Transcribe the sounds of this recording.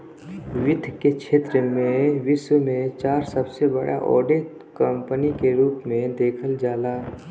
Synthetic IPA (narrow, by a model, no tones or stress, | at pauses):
ʋɪd̪ʱkekʃʰeːt̪ɾəmẽʋɪswəmẽt͡ʃaːɾsəbsebə̰ɽʔa̰ʔɔ̰ːɖe | kə̃mpənikeɾuːpmẽd̪eːkʰəld͡ʒaːlaː